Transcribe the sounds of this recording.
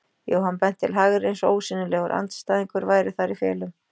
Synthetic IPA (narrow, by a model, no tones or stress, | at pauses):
jo̰ːwhanːpɛn̥t̪ʰːɪlɦaɣɾejnso̰ːwsɪnːʏlɛːɣʏɾʔa̰nt̪st̪aːðiŋkʏɾvaːjɾɪθaɾifjɛ̰ːlʏm